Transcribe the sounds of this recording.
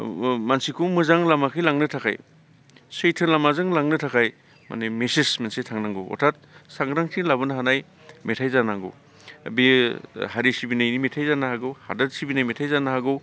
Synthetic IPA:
mansikʰumɯzaŋlamakʰɯjlaŋnɯtʰakʰa̰j | sɯjtʰɯlamazɯŋlaŋnɯtʰakʰaj | ma̰nemesesmensetʰaŋnaŋɡɯwɔ̰tʰat̚saŋɡɾaŋtʰiŋlabɯnaɦanaj | metʰajzanaŋɡo̰w | bihaɾisibinajnimetʰajzanahaɡɯwha̰dɐdsibinajmetʰajzanaɦaɡɯ

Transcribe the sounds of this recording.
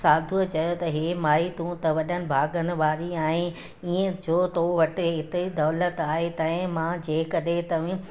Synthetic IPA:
saːd̪ʱut͡ɕɐjot̪ɐɦeːmaːit̪ũt̪ɐʋɐɗənɪ̆bʱaːɡənɪ̆ʋaːɾiaːɦɪ | iːə̃d͡ʑoːt̪oːʋɐʈɪɦɪt̪id̪ɔːlət̪aːɦet̪ãːɪ̃mãd͡ʑeːkɐɗɦet̪ɐʋĩ

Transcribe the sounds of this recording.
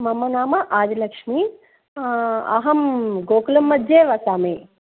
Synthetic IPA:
mɐmɐnaːmɐʔaːd͡ʒ̪ilɐkʂmi | ɐ̰ɦɐmɡoːkɐlɐmːɐd͡ʒeːʋɐsaːmeː

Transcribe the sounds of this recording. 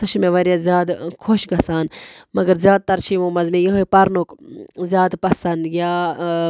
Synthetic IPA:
t̪ɐʃmẽʋɐɾijazjaːd̪kʰoʃɡɐsaːnmɐɡɐɾzjaːd̪̚t̪ɐɾt͡ʃʰimoːmɐzmejɐɦopɐɾnukzjaːd̪pɐsɐnd̪jjaː

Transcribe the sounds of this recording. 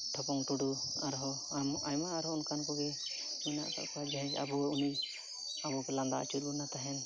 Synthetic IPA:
ʈʰɔpɔŋʈuɖuaɾɦɔ | amajmaʔːɾɔunkankɔɡɛ | mina̰ʔka̰ʔkad͡ʒaɦɛd͡ʒa̰buuni | abɔpɛland̪a̰ʔt͡ʃulunat̪aɦɛn

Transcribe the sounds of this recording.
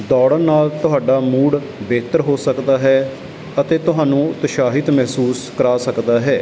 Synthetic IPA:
d̪ɔːɽənaːlt̪ʊɦaːɖaːmuːɽ | beːt̪əɾɦoːsəkd̪aːɦɛː | ət̪eːt̪ʊɦaːnũːt̪əʃaːɦɪt̪mɛɦsuːskəɾaːsəkd̪aːɦɛː

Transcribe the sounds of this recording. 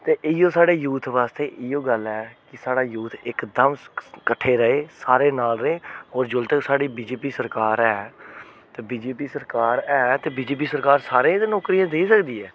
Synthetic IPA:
t̪eːʔɪɪjõːsaːɽeːjuːt̪ʰʋaːst̪eːʔɪjoːɡəlɛːkɪsaːɽaːjuːt̪ʰɪkd̪əmkəʈʰːeːɾəeːsaːɾeːnaːlɾeːɦɔːɾd͡ʒʊlt̪əksaːɽiːbiːd͡ʒeːpiːsəɾkaːɾɛː | t̪eːbiːd͡ʒeːp̬iːsəɾkaːɾɛːt̪eːbiːd͡ʒeːp̬iːsəɾkaːɾsaːɾeːd̪eːnɔːkɾijãːd̪eːisəkd̪iːɛː

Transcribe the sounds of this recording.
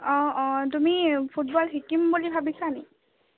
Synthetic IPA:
ɔ̃tumipʰut̚bɔlɦikimbulibʱabisani

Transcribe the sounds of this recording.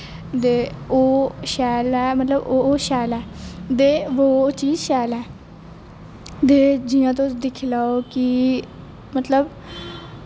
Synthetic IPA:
d̪eːoːʃɛːlɛːmət̪ləboːʃɛːlɛːd̪eːʋoːt͡ʃiːzʃɛːlɛː | d̪eːd͡ʒɪjãːt̪od̪ɪkʰlaːoːkɪ | mət̪ləb

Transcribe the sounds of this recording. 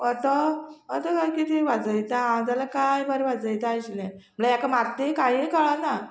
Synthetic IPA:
ɔt̪ɔɔt̪ɔkajkit̪ʰiʋad͡zəjt̪aãw̃d͡z̪alakajbəɾʋad͡zəjt̪aɕlɛ̃m̤əlajakamaɾt̪ekaɦĩkaɭana

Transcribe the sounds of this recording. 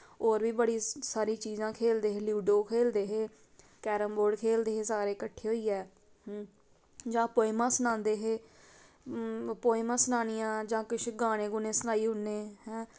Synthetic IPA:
oːɾʋiːbəɽiːsaːɾiːt͡ʃiːzãːkʰeːld̪eːɦeːljuːɖoːkʰeːld̪eːɦeː | kɛːɾəmboːɖkʰeːld̪eːɦeːsaːɾeːkəʈʰːeːɦoːiːɛː | d͡ʒãːpoːɪmãːsənãːnd̪eːɦeː | poːɪmãːsənaːnɪjãːd͡ʒãːkɪʃɡaːɽ̃ẽːɡʊneːsənaːiːɦʊnːeːhɛ̃ː

